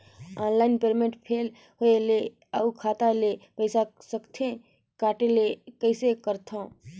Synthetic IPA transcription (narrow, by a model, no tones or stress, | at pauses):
aːnlaːɪnpeːɾmeʈpʰeːl | hoele | aukʰaːt̪alepəɪsasəkt̪ʰẽ | kaːʈelekəɪsekəɾt̪ʰã